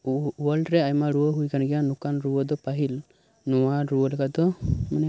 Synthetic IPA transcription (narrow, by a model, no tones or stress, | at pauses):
uwəlɾɛajmaɾuwəɦujɡanɡɛjanukanɾuwəd̪ɔpaɦil | nɔwaɾuwəlɛkad̪ɔmanɛ